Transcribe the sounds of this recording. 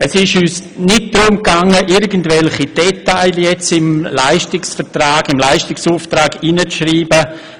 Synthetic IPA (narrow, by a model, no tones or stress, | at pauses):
ɛsɪʃyːsnɪt̚d̥ɾʊmkaŋəʔɪɾɡəndvɛlχid̥ɛtaɪljɛt͡sɪmlaɪʃtɪksfɛtraːɡɪmlaɪʃtɪksuːftɾaːɡinət͡sʃriːbə